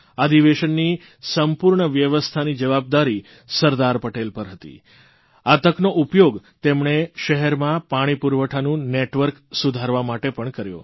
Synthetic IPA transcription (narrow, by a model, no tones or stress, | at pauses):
ad̪iʋeʃənːi | səmpuɾɳəʋjəʋəst̪ʰanid͡ʒəʋab̚d̪aɾi | səɾd̪aɾpəʈelpəɾɦət̪ḭ | at̪əknoʔupjoɡt̪emɳeʃəɦɛɾmãpaɽ̃ipuɾʋəʈʰanũneʈʋəɾksud̪ʱaɾʋamaʈepəɳkəɾjo̰